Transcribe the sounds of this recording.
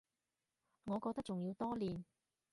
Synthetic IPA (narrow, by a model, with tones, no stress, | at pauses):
ŋɔː˨˧kɔː˧k̚t̪ɐ˥k̚t͡st͡ʃʊ˨ŋjiː˨˧wt̪ɔː˥liː˨n